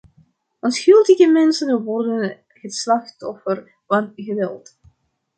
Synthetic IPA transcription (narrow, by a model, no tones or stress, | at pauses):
ɔnsxʏlˠtəɣəmɛnsənʋɔrdən | ɣəslɑxtɔfər | vɑnɣəʋɛ̰lˠt